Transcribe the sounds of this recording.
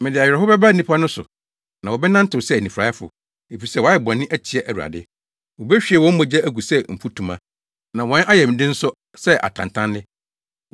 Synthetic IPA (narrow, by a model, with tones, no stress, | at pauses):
mɪ̃˨dɪ˨a˨ɥɛ˨ɾɛ˨ɦʊ˦bɛ˦bɾa˦˨nĩ˦pʰa˦nʊ̃˦sʊ̰˨ | nã˨wɔ˨bɛ˦nã˦n̩˦tɪ˨sɛ˦æ˨nĩ˨fɾa˨˦ɛ˦fʊ̰˨ | e˨fi˨sɛ˦˨wɔ˨˦ɛ˨bɔ̃˨nːɪ̃˦ʔæ˦t͡ɕʰi˨ɛ˨ʔæ˨wu˨a̰˨dɪ˦ | wɔ˨bɛ˦ɕᶣi˨ɛ˨wɔ̃˦m̩˦mɔ̃˨d͡ʑɛ˦æ˦ɡu˨sɛ˦m̩˨pʰu˦tʰũ˨mã˦ | nã˨wɔ̃˦na˦jɛ˨mɪ̃˨dɪ̃˦n̩˦sʊ˦ | sɛ˦ʔa̰˨tʰã̰˨ntʰã˦nːɪ̃˦